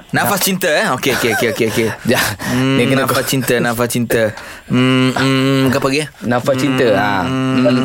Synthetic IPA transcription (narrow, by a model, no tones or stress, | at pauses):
nãfast͡ʃint̪əɛokeokeokeokeokejam̩ekənafast͡ʃint̪ənãfast͡ʃint̪ə | m̩ | kapaɡɛnãfast͡ʃint̪əa